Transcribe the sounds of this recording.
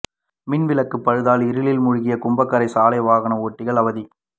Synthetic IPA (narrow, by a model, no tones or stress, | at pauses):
mɪnʋɪlɐkːɯpːɐɻɯðaːlɪɾɯlɪlmʊɻʊɣɪjɐkʊmbɐkːɐɾɐɪsaːlɐɪʋaːɣɐnɐoːʈːɪɣɐɭɐʋɐði